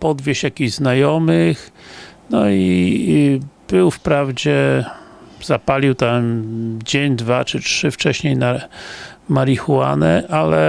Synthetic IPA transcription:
pɔd̪vʲjeɕjakʲiʑznajɔmɘxnɔi | b̥ɘwfpɾavd͡ʑɛ | z̥apalʲiwt̪amd͡ʑeɲd̪vat͡ʂɘtʂɘft͡ʂɛɕɲejna | maɾixuwa̰nɛʔalɛ

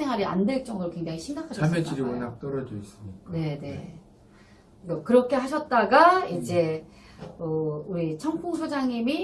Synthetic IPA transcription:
sʰe̞ŋwaɾia̰nde̞ɭt͡ɕ͈ʌŋdoɾokwe̞ŋd͡ʑaŋiɕʰiŋɡakʰaɕʰamet͡ɕʰiɾiɡonak̚t͈ʌɾʌd͡ʑois͈ɯmɲik͈ne̞ne̞̰ | ʌkɯɾʌkʰe̞ɦaɕ̬ʰʌt̚t͈aɡaid͡ʑe̞ | ʌuɾit͡ɕʰʌŋpʰuŋsʰod͡ʑaŋimi

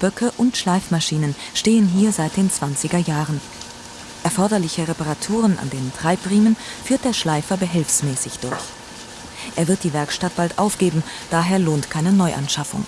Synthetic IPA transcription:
b̥œkʰəʔʊntʃlaɪfmaʃiːnənʃteːənɦiːɐzaɪt̚d̥eːnt͡sv̥ant͡sɪɡɐjaːʁən | ʔɛɐfɔɐdɐlɪçəʁepaʁatʰuːʁ̞ənʔa̰ndeːnntʁ̥aɪpʁ̥iːmənfyːɐt̚d̥eːɐʃlaɪfɐbəɦɛlfsmɛːsɪçd̥ʊ̰ɐç | ʔeːɐvɪɐt̚d̥iːvɛɐkʃtat̚b̥altʔaʊfɡ̥eːbm̩ | d̥aːɦeːɐloːntkʰaɪnənɔʏʔa̰nʃafʊ̰ŋ

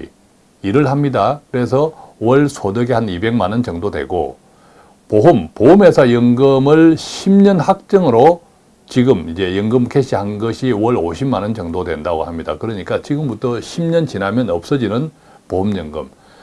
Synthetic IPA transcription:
iɾɯɭɦamɲidakɯɾe̞s̬ʰʌwʌɭsʰodɯɡehanibe̞ŋmanɯnt͡ɕʌŋdodwe̞̰ɡo̰ | poɦumpoɦume̞sʰʌjɯŋɡɯmɯɭɕʰimɲʌnhak̚t͡ɕ͈ʌŋɯɾo | t͡ɕiɡɯmid͡ʑe̞jʌŋɡɯmkʰeɕʰihanɡʌɕʰiwʌɭoɕʰimanɯnt͡ɕʌŋdodwe̞̰ndaɡo̰hamɲida̰kɯɾʌɲik͈at͡ɕiɡɯmbutʰʌɕʰimɲʌnt͡ɕinamjʌnʌp̚s͈ʌd͡ʑinɯn | pohumɲʌŋɡɯ̰m

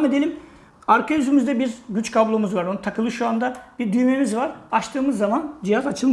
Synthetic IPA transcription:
me̞d̪elʲim | aɾkʰajyzʰymyzd̪ɛbizɟyt͡ʃkʰablˠomuzvaɾonɯt̪ʰakʰɯlˠɯʃuand̪ab̥iɾd̪yjme̞mizvaɾat͡ʃt̪ʰɯːmɯzːamand͡ʒijazat͡ʃʰɯlˠm

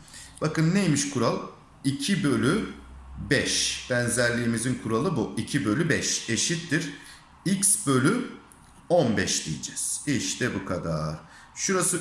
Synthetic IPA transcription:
b̥akɯnːejmiʃkʰuɾalˠ | icʰibø̞lʲybɛʃb̥ænzæɾlʲiːmizinkʰuɾalˠɯbuicʰibø̞lʲybɛʃe̞ʃit̪ːiɾ̥ | icsbø̞lʲy | onbɛʃd̪ḭjid͡ʒɛz̥iʃt̪ʰɛbukʰad̪a̰ɾ̥ | ʃuɾasɯ

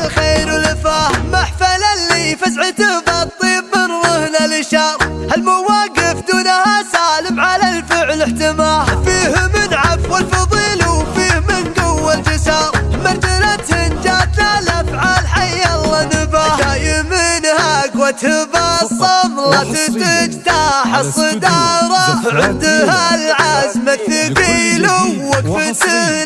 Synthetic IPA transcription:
lxeːɾwɪlɪfaːmaħfalalːifasʕɪt̪ɪbɑt̪ˤːimːɪnɾʊhnalɪʃɑɾˤhalmʊwaːɡɪfd̪uːnahasaːlɪmʕalalfɪʕlɪħt̪ɪmaːhfiːhmɪnʕafwɪlfɑðˤiːlfiːhmɪnɡawːalfɪsɑːɾˤmat̪alat̪hɪnd͡ʒat̪nalafʕaːlħajːalːanɪbahajɪmɪnhakwat̪hɪbasˤɑmlat̪ɪt̪ɪd͡ʒt̪aːħɑsˤːɨd̪ɑːɾˤɑʕɪnd̪halʕazmat̪ːɪɡiːlʊwːakfɪsɪ

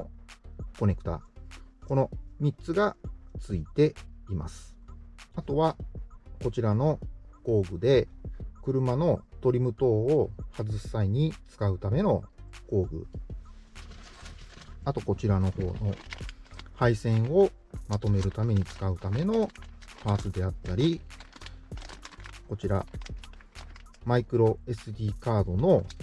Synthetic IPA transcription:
ko̞ne̞kɯ̟̥t̪a̰ːko̞no̞mʲitt͡sɨɡat͡sɨit̪e̞ima̰sɨ̥at̪o̞βako̞t͡ɕiɾano̞ko̞ːɡɯ̟d̪e̞kɯ̟ɾɯ̟mano̞t̪o̞ɾʲimɯ̟t̪o̞ːhazɨsaiɲ̟it͡sɨ̥kaɯ̟t̪ame̞no̞ko̞ːɡɯ̟̰ | at̪o̞ko̞t͡ɕiɾano̞ho̞ːno̞ | haisẽ̞ɰ̃o̞ | mat̪o̞me̞ɾɯ̟t̪ame̞ɲ̟it͡sɨ̥kaɯ̟t̪ame̞no̞maːsɨd̪e̞at̪ːaɾʲi | ko̞t͡ɕiɾa̰ | maikɯ̟ɾo̞e̞sɨd̪ʲiːkaːd̪o̞no̞

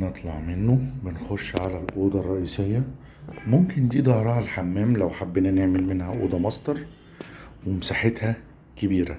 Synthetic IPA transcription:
net̪ˤlɑʕmenːobɪnxoʃːʕalælʔoːd̪ɑrˤːɑʔiːsejːæ | momkɪnd̪iːd̪ˤɑhɾˤɑːʔælħamːæːmlæwħabːenæneʕmelmenhæʔo̰ːd̪ɑmɑsˤt̪ˤɑɾˤ | wemsaħet̪hæ | kebiːɾæ̰

